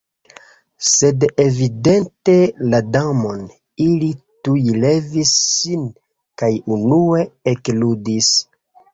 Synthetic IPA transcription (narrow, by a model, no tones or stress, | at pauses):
se̞devide̞nte̞ladamo̞n | ilitujle̞visːin | kajunue̞ekludis